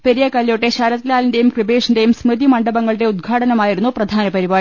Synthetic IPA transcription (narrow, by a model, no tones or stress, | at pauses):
peɾijɐkɐlːjoʈːeɕaːɾɐt̪ːilaːlinde̞jumkrɨbeːʂinde̞jumsmrɨd̪imɐɳɖɐbɐŋːɐɭɨɽe̞ud̪̚ɡʰʱaːʈɐnɐmaːjiɾun̪ːuprɐd̪ʱaːnɐpɐɾibaː